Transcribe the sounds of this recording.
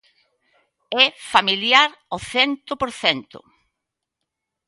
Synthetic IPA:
ɛfamiljaɾoθɛnt̪ʊpoɾθɛnt̪ʊ̰

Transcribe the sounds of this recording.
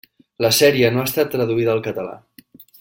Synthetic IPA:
ləsɛɾiənoast̪at̪ːɾəðuiðəːlˠkət̪əla̰

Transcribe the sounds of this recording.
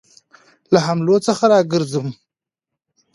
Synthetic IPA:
laɦamlot͡səxaɾɑɡəɾzəm

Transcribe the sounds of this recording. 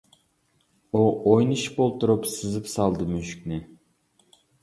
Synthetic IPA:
uojnɨʃpolˠt̪uɾupsɨzɨpsɑlˠd̪ɨmyʃyk̚ʲnɪ

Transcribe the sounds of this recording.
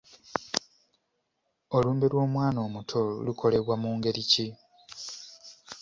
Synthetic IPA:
o̞luːmbelwo̞ːmwaːno̞ːmutʰo̰lukʰo̞le̞βwamuːŋɡe̞ɾici

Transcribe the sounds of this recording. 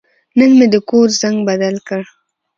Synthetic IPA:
nəŋmed̪əkoɾzaŋɡbad̪alkəɽ

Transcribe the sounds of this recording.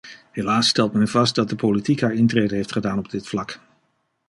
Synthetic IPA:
ɦelaːsːtɛlˠtmɛnvɑst̚dɑt̚dəpolitikɦaːɹɪntreːdəɦejftχədaːnɔb̚dɪtflɑk

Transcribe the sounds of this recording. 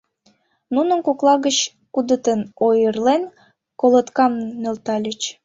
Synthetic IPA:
nunənkoklˠɑɣət͡ɕ | kud̪ət̪ənojərlen | kolət̪kɑmnølt̪ɑlʲət͡ɕ

